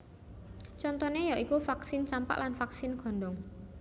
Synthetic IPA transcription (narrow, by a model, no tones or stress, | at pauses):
t͡ʃɔnt̪ɔnejaʔikufaksɪnsampa̰ʔlanfaksɪnɡ̥ɔ̤ɳɖɔŋ